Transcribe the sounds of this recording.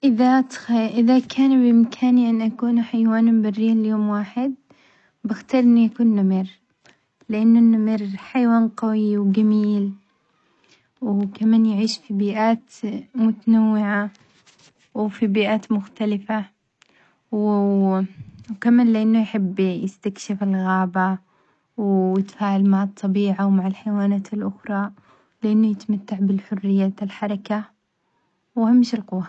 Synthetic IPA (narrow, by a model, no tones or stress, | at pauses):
ʔɪðat̪ʔɪðakʰaːnbʔɪmkʰaːniʔɪnːʔakuːnħajwaːnmbɪrːiːljoːmwaːħɪd̪̚ | bɪxt̪ɑːɾˤʔɪnːujakuːnːamiːɾ | lɪʔanːʊnːamɪɾħajwaːnqawiwɡamiːl | wkamaːnjɪʕiːʃfibiːʔaːt̪mʊt̪anawːɪʕa | wfibiːʔaːt̪mʊxt̪alɪfa | w | wkamaːnlɪʔanːʊjħɪbːjɪst̪akʃɪfɪlɣaːba | wjɪt̪ḁfaːʕalmaʕɑt̪ˤːɑbiːʕawmaʕɪlħajwaːnaːt̪ɪlʔʊxɾˤɑ | lɪʔanːʊjɪt̪amat̪ːaʕbɪlħʊrːɪjːaːt̪ɪlħɑɾˤɑka | whamːɪʃɪlqʊwːa